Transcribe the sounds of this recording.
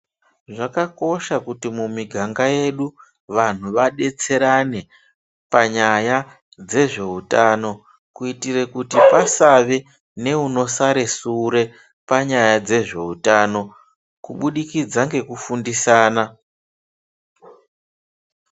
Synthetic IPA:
ʐakako̞ʃakutimumiɡʱaŋɡaje̞ɗu | ʋan̤uʋaɗe̞t͡se̞ɾane̞ | paɲaja | d͡ze̞ʐe̞utaːno̞ | kuitire̞kutipasaʋe̞ | ne̞uno̞saɾe̞suɾe̞ | paɲajad͡ze̞ʐe̞utano̞ | kuɓuɗikid͡zaŋɡe̞kufundisaːna

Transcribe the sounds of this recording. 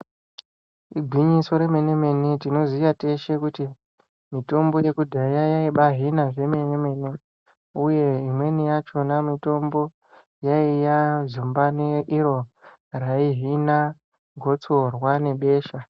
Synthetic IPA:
iɡʱwiɲiso̞ɾe̞menemenitino̞zijate̞ʃe̞kuti | mito̞mbo̞je̞kudʱajajaiɓaɦinaʐe̞meneme̞ni | uje̞imwe̞nijat͡ʃo̞namito̞mbo̞ | jaijazumbaneʔiɾo̞ | raiɦina | ɡʱo̞t͡sorwane̞ɓe̞ːʃa

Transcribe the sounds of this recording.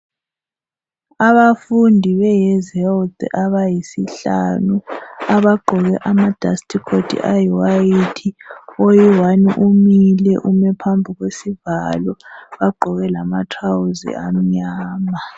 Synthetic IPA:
aβafundʱiβɛjɛzɛlt̪ʼaβajisiɬa̰nuaβaɡ͡ǃʱɔɣɛʔamad̥ʱastʰʼikʰodʰʼḭʔajiwajitʰiojiwaniʔumilɛʔumɛpʰambʱuɣwesivalɔβaɡ͡ǃʱɔɣɛlamatʰrawuzḭam̩ɲaːma

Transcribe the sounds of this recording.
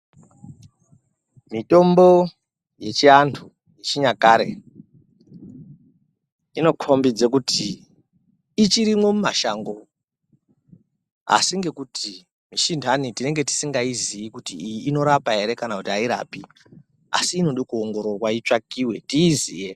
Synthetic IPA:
mito̞mbo̞ | je̞t͡ʃiantʰu | je̞t͡ʃiɲakaɾe̞̰ | ino̞kʰo̞mbid͡zek̬utʰi | it͡ʃiɾimwo̞mumaʃaːŋɡo̞ | a̰siŋɡe̞kutʰi | miʃindʱanitine̞ŋɡe̞ti̥siŋɡaizijikutijiːno̞ɾapaɦe̞ɾe̞kanakutiaiɾa̰ːpi | a̰siːno̞ɗikuoŋɡo̞ɾorwait͡ʂakiwe̞tiːzḭːje

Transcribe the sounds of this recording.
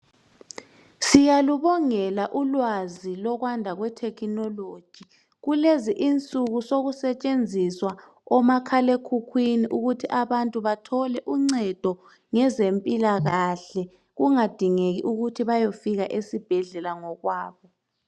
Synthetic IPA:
sijaluβɔŋɛlaʔulwazilɔɣwandʱaɣwɛtʰɛkʰinɔlod̥ʒ̥ʱi | ɣuleziʔint͡sʼuɣusoɣusɛt͡ʃʼend͡zʱiswa | ɔmakʰalekʰukʰwiniʔuɣutʰiʔaβantʼuβatʰɔlɛʔuŋ͡ǀɛd̥ʱɔ | ŋɛzempʼilaɣaɬɛ | ɣuŋad̥ʱiŋeɣḭʔuɣutʰiβajofiɣaʔesib̥ʱɛɮɛlaŋɔɣwaːβɔ

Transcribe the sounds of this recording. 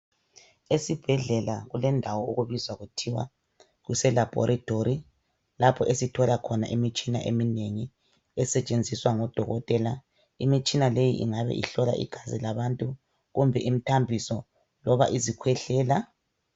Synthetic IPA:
esib̥ʱɛɮɛlaɣulɛndʱawɔuɣuβizwaɣutʰiwa̰ | ɣusɛlab̥ʱɔ̰ɾʔatʰʼoɾi | lapʰɔʔesitʰɔlakʰɔna̰ʔimit͡ʃʼina̰ʔemineŋi | ɛsɛt͡ʃʼend͡zʱiswaŋɔd̥ʱɔɣɔtʼɛla | imit͡ʃʼinalejiʔḭŋaβɛ̰ʔḭɬɔla̰ʔḭɡ̥ʱazilaβantʼu | ɣumbʱɛʔim̩tʰambʱisɔ | lɔβa̰ʔizikʰwɛɬɛːla

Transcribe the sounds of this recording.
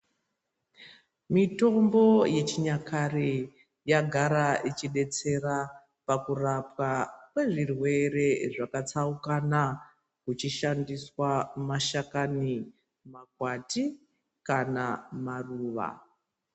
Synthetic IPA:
mito̞mbo̞je̞t͡ʃiɲakʰari | jaɡʱaɾaʔit͡ʃiɗe̞t͡se̞ra | pakurapwakwe̞ʐirwe̞ɾe̞ʐakat͡saukana | kut͡ʃiʃandiswamaʃakani | mak̚wati | kanamaruːʋa̰

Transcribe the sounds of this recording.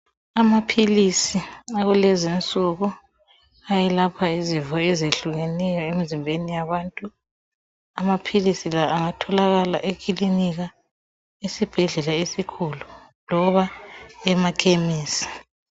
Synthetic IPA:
amapʰilisiaɣulɛzint͡sʼuɣu | ajɛlapʰaizivɔɛzeɬuɣɛnɛjɔemizimbʱenijaβaːntʼu | amapʰilisilaʔːŋatʰɔlaɣala̰ʔekʰʼiliniɣa | esib̥ʱɛɮɛlaesikʰulu | lɔβaɛmakʰemiːsi̥

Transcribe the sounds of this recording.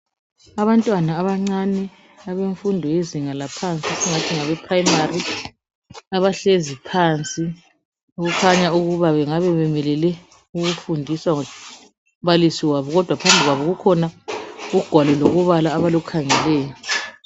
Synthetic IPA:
aβantʼwanaːβaŋ͡ǀanɛ | aβeɱfundʱɔjeziŋalapʰant͡sʼisiŋatʰiŋaβɛpʰrajimari | aβaɬezipʰant͡sʼi | uɣukʰaɲauɣuβaβɛŋaβɛβɛmɛlɛlɛ | uɣufundʱiswaŋɔ | βalisiwaβɔɣɔd̥ʱwapʰambʱiɣwaβɔɣukʰɔnauɡ̥ʱwalɔloɣuβalaːβalukʰaŋɛlɛːjɔ

